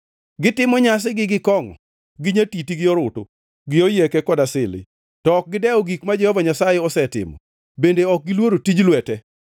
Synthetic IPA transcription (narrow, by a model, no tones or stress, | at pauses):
ɡɪtɪmɔɲas̬ɪɡɪɡɪkɔŋɔ̰ | ɡɪɲatitiɡɪɔɾʊtʊ̰ | ɡɪojekɛkɔdasɪlɪ̰ | tɔk̚ɡɪdɛɔɡikmad͡ʒɛhɔvaɲasajeɔsɛtɪ̰mɔ̰ | bendeɔk̚ɡɪlwoɾotid͡ʒlwɛtɛ